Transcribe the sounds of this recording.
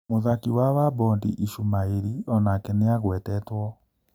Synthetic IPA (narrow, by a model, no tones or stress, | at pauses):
moðakiwawabɔndḭʔiʃumaeɾiɔnaːkɛneaɣwɛtɛtwɔ